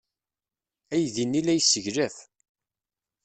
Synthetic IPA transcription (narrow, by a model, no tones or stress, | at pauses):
æjðinːilæjsəʝɾæθ